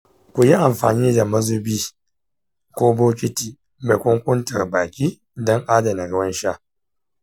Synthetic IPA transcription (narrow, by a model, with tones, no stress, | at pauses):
kʷʊ˨ji˦ʔa˨mɸa̰ː˨niː˦da˨mɐ˦zu˦biː˦ | kʷoː˦boː˦kʲɪ˦tiː˨ | me˨kʷʊ˦ŋkʷʊ˦ntɐ˨rbaː˨kʲiː˦ | dɔ˦ŋʔaː˦dɐ˨na˨ɽɐ˦wɐ˦nʃa˦